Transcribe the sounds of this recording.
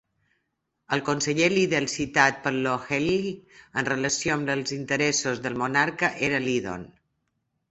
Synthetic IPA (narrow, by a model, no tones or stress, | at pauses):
əlˠkonsəʎeliðeəlsit̪at̪̚pəɾloxeliənrələsioəmləlˠzint̪əɾɛsozðəlˠmunaɾkəʔeɾəliðo̰n